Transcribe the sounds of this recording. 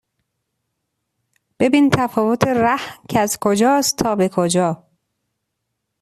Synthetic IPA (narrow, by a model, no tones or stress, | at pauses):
b̥e̞bint̪ʰæfɒːvot̪ʰeɾæhcʰeæzkʰod͡ʒɒːstt̪ʰːɒːbe̞kʰod͡ʒɒː